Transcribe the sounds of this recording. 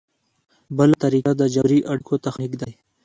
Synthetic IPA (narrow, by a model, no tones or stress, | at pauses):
bəlat̪aɾiːkad̪ad͡ʒɐɾiʔɐɽkot̪ɐxnikd̪aj